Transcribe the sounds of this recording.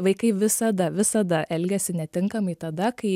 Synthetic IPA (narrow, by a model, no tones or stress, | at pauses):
ʋɐɪkɐɪʋʲɪsɐd̪ɐʋʲɪsɐd̪ɐʔɛlʲɡʲɛsʲɪnʲɛt̪ʲɪŋkɐmɐɪt̪ɐd̪ɐkɐɪ